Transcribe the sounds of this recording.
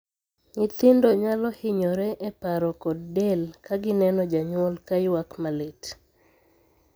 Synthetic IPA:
ŋɪt̪ɪndoɲalɔhɪɲɔɾɛʔɛpaɾɔkɔd̚ːelkaɡɪnɛnɔd͡ʒaɲwɔlkajwakmalet

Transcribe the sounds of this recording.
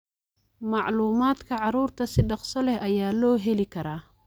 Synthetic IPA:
mɑʕluːmaːd̪kʰɐʕɑɾuːrt̪ʰɐsɪɖɑqsɔlɛhɐjaːlɔːɦɛlɪkʰɐɾaː

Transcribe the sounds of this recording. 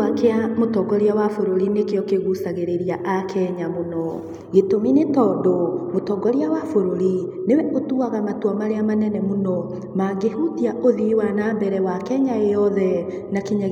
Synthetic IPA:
akeamotɔɡɔɾiawafoɾoɾinekeɔkeɣusaɣeɾeɾiaʔakʰɛɲamonɔ | ɣetominetɔːdomotɔɡɔɾiawafoɾoɾi | newɛʔotuaɣamatwamaɾeamanɛnɛmonɔ | maɡehutiaʔoðiiwanaːmbɛɾɛwakɛɲaejɔðɛ | nakiɲa

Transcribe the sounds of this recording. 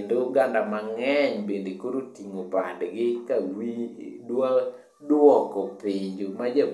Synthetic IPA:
endoɡandamaŋɛɲbendekoɾotiŋopa̰dɡɪkawidwa | dwɔkɔpɪɲd͡ʒomad͡ʒa

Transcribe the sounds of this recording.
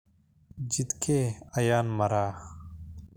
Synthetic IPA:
d͡ʑit̪kʰeːɐjaːnmɐɾaː

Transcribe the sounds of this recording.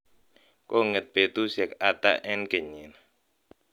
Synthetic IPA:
koŋət̪̚pet̪usɛkat̪a̰ʔɛnkəɲɪn

